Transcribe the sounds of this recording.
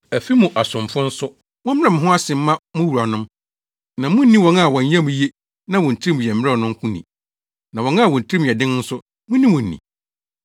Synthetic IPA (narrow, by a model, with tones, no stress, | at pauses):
æ˨fi˦mũ˨ʔa˨sʊ̃˨mfʊ̃˦n̩˦sʊ˦ | mʊ̃˦m˦ɾɛ˦mɪ̃˨ɦʊ̃˦a˦sɪ̃˨m̩˦mã˦mʊ̃˦wu˨ɾa˨nʊ̃˦m | nã˨mʊ̃˦n˦nĩ˦wɔ̃˨na˦˨wɔ̃˨n˦jã˦mũ˨je˦ | nã˦wɔ̃˨n̩˨tʰi˦m˨jɛ˨m̩˦ɛ˦ɔ˨nʊ̃˦ŋ˦kʰʷʊ̃˦nḭ̃˨ | nã˨wɔ̃˨˦na˦˨wɔ̃˨n̩˨tʰɾi˦m˨jɛ˨dɪ̃˦n˦n̩˦sʊ˦ | mʊ̃˦nĩ˦mʊ̃˨n̩ː˨ḭ̃˨